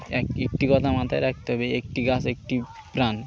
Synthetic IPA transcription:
ɛkek̚ʈikɔt̪ʰamat̪ʰajɾak̚ʰt̪eɦɔbeek̚ʈiɡasek̚ʈi | pɾan

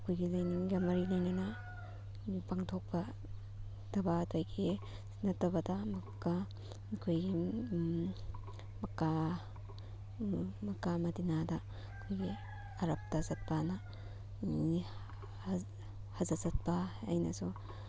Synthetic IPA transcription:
ɐkʰojɡilajniŋɡamɐɾilajnana | paŋtʰok̚pɐ | d̥ɐbatʰojɡi | nɐtːɐbɐdɐmɐka | kʰojɡi | mɐka | mɐkamɐdinada | kʰojɡi | ɐɾɐp̚tazɐt̚pana | hazɐzɐt̚pa̰ːjnɐ̰su

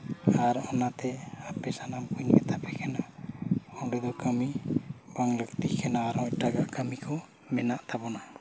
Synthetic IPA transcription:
aɾɔnat̪ɛapɛsanampuɲbɛ̰t̪ʰapɛkʰɛna | ɔɖɛd̪ɔkəmibaŋləkt̪ikʰɛnaːɾɔ̃c̚ʈaɡakəmikʰɔ | mɛnaʔt̪abɔna

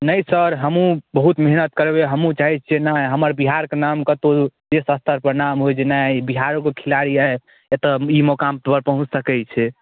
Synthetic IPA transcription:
nəjsəɾɦəmũbəɦut̪meɦnət̪̚kəɾbeɦəmũt͡ʃaɦienaɦəməɾbiɦaɾkenamkət̪od͡ʒesəst̪ʰəɾpəɾnamɦojd͡ʒenabiɦaɾokekʰilaɽiae | et̪əimokamt̪bəɾpəɦũt͡ʃsəkɛt͡ʃʰɛ

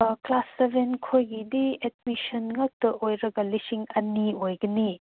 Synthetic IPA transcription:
klasːebenkʰojɡidiet̚misɐnŋɐk̚tɐʔojɾɐɡɐlisiŋɐniojɡɐni

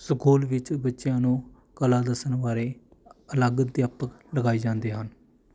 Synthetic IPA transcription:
skoːlʋɪt͡ʃbətːʃjãːnũː | kəlaːd̪əsənʋaːɾeː | ələɡd̪jaːpəkləɡaːiːd͡ʒãːnd̪eːɦən

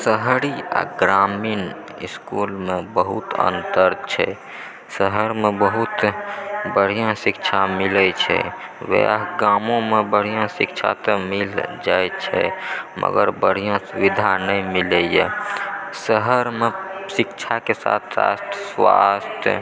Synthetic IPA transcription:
səɦɽia̰ɡɾamiːn | ḭskulmebəɦut̪ə̰nt̪əɾt͡ʃʰɛ̰ | səɦəɾmebəɦut̪ | bəɽ̤ijãsikt͡ʃʰamilət͡ʃʰɛ̰ʋḛaɡamõmebəɽ̤ijãsikt͡ʃʰa̰t̪ɔmild͡ʒajt͡ʃʰɛ̰mʔə̰ɡə̰ɾbəɽ̤ijãsubid̪ʱanəimiləjḛ | səɦəɾmesikt͡ʃʰakesa̰t̪ʰɾa̰st̪ʰəswa̰st̪ʰjə̰

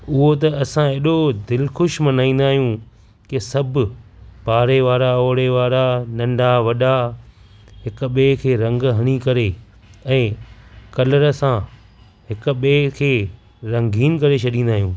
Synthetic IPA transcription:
ʊɦot̪ɐɐsãeːɗod̪ɪlxʊʃmɐnaːĩːnd̪aːɦijũ | kɪsɐbʱpaːɾeʋaːɾaoːɽeʋaːɾanɐ̃ɳɖʱaʋɐɗa | ɦɪkʊ̆ɓeːkʰeːɾɐ̃ŋɡɦɐɽ̃ikɐɾe | ɛ̃ːkɐləɾəsã | ɦɪkʊ̆ɓeːkʰeː | ɾɐ̃ŋɡʱiːnkɐɾet͡ɕʰɐɗĩːnd̪aːɦijũː

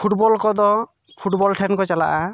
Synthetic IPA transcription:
pʰuʈbɔlkɔd̪ɔ | pʰuʈbɔlʈʰɛnkɔt͡ʃala̰ʔa

